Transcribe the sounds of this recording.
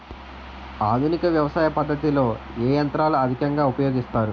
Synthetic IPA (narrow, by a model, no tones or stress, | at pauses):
aːd̪ʱunikɐʋjɐʋɐsaːjɐpɐd̪ʱːɐt̪ilo̞ː | eːjɐnt̪ɾaːluɐd̪ʱikɐŋɡaːupɐjoːɡist̪aːɾu